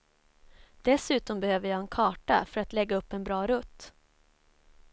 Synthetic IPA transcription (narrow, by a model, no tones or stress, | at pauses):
d̪̥ɛsʉ̟ːt̪ɔmbɛhøːvəjɑɛnkʰɑːʈa̰fœɾat̪lɛɡːaɵpːɛnbɾɑːɾɵt̪ː